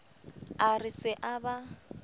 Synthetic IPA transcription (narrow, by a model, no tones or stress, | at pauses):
arɪsɪʔaba